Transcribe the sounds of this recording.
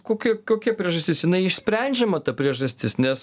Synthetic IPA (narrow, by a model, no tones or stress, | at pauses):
koːkʲiɛkoːkʲiɛpʲɾʲiɛʒɐsʲt̪ʲɪsjɪnɐɪɪʃsʲpʲɾʲɛnʲd͡ʒʲɛmɐt̪ɐpʲɾʲiɛʒɐsʲt̪ʲɪsnʲɛs